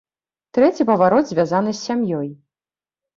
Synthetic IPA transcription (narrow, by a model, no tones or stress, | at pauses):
t̪ɾɛt͡sʲipɐvaɾɔd̪zʲvʲazanɨsʲːamjɔj